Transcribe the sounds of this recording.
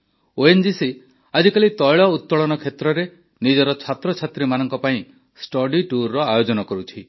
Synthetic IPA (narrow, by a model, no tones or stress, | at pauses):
oend͡ʒisi | ad͡ʒikalit̪ɔjɭɔut̪̚ːɔɭɔnɔkʰet̪ɾɔɾe | nid͡ʒɔɾɔt͡ʃʰat̪ɾɔt͡ʃʰat̪ɾimanɔ̃ŋkɔpaĩ | sʈɔɖiʈuɾːɔajod͡ʒɔnɔkɔɾut͡ʃʰi